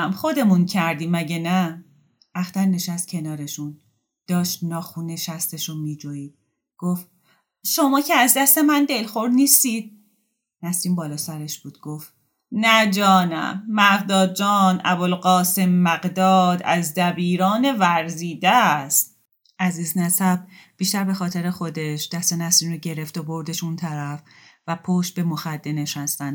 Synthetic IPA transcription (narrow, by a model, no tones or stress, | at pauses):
mχo̞d̪e̞muncʰæɾd̪iːmæɟenæ | æxt̪æɾne̞ʃæst̪̚cʰe̞nɒːɾe̞ʃun | d̪̥ɒːʃt̪nɒːxuːne̞ʃæst̪e̞ʃumiːd͡ʒoiːd̪̥̚ | ɡ̥of | ʃo̞mɒːcʰeæzd̪æst̪e̞mænd̪e̞lxoɾniːst̪iːd̪̥̚ | næsliːmbɒːlɒːsæɾe̞ʃb̥uːd̪̥̚ɡ̥of | næd͡ʒɒːnæ̰mːæɣd̪ɒːd̪̚d͡ʒɒːnæbolɢɒːse̞mːæɡd̪ɒːd̪æ̰zd̪æbiːɾɒːne̞væɾziːd̪æst̪̚ | ʔæziːznæsæb̚b̥iːʃt̪æɾbe̞xɒːt̪ʰeɾexo̞d̪e̞ʃd̪̥æst̪enæsɾiːmɾoɟe̞ɾe̞ft̪obo̞ɾd̪eʃunt̪ʰæɾæfvæpʰoʃt̪̚be̞moxæd̪ːeneʃhæst̪ænd̪